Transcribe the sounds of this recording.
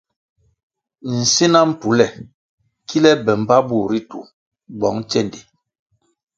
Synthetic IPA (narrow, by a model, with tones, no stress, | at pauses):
n̩˨si˦na˦m̩˦˨pu˨˦lɛ˨ | kʰi˦lɛ˦bɛ˨m˦ba˦bu˦˨ɾi˦tṵ˨ | ɡ͡bɔ˨˦ŋt͡ʃɛ˦˨ndi˨